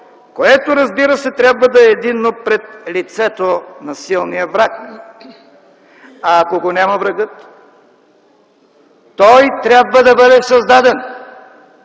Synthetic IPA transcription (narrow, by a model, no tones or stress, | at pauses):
koɛt̪oɾɐzbiɾəsɛt̪ɾʲabvəd̪ɐɛːd̪inːopɾɛt̪̚lit̪sɛt̪onɐsilˠnijəvɾak̚ | aːkoɡonʲamɐvɾɐɡɤt̪ | ɔjt̪ɾʲjabvəd̪ɐbɤd̪ɛsɐzd̪ad̪ɛn